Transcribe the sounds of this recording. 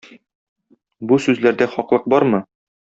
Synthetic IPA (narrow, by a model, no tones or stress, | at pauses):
busʉzlæɾd̪æχɒqlˠɤq̚bɒɾmɤ